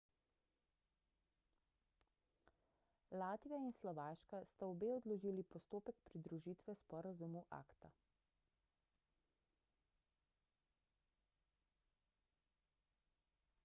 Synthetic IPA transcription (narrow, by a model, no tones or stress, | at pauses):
laːt̪ʋijainslɔʋaːʃkast̪aɔbeːɔd̪lɔʒiːlipɔst̪oːpɛkpɾid̪ɾuʒiːt̪ʋɛspɔːɾazumuʔa̰ːkt̪a̰